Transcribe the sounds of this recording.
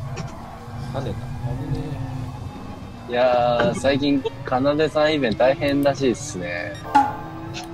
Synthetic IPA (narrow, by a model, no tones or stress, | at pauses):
kad̪et̪aanene | jasaik̬ʲĩŋkʰanad̪esãɰ̃ibẽ̞nt̪aihẽ̞nɾaɕ̬iːsɨne̞